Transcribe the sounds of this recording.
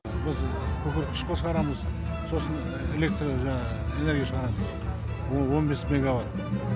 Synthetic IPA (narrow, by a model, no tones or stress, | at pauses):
bɪzkʲʰɵkʲɪɾkʲʰɪ̥ʃqʰosʁɑɾɑməz | so̞sən | e̞le̞k̚t̪ɾoʒɑ | e̞ne̞ɾɡʲijaʃəʁɑɾɑməz | wo̞nbe̞sme̞ɡavat̪